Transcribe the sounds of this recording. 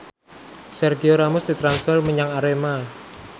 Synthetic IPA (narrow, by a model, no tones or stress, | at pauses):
sɛrɡioɾamʊsd̪it̪ɾansfɛrməɲaŋaɾema